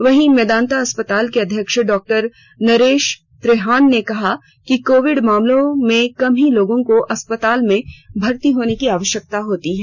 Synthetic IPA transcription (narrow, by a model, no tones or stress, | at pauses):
ʋɐɦĩmɛːd̪aːnt̪aɐspət̪aːlkeɐd̪ʱjəkʃɖɔːk̚ʈəɾ | nɐɾeːʃ | t̪ɾeːɦaːnːekɐɦa | kikoːʋɪɖmaːmlõmẽkɐmɦĩloːɡõkoʔɐspət̪aːlmẽbʱɐɾt̪iɦoːnekiaːʋəʃjək̚t̪aɦoːt̪iɦɛː